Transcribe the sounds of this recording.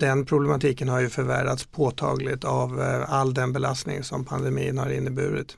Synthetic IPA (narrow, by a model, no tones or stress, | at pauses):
d̪̥ɛnpʰɾʊblɛmat̪ʰiːkənhaɾjɵfœɾvæ̰ɖat̪spʰoːt̪ʰɑ̰ːɡlɪt̪avalːd̪ɛnbɛlast̪nɪ̰ŋsɔmpʰand̪ɛmiːənhaɾɪnːəbʉ̟ːɾɪt̪